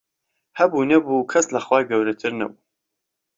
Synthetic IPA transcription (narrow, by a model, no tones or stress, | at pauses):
hɐbunɐbukʰɐslɐχwaːjɡɐwɾɐt̪ʰɨɾnɐ̰buː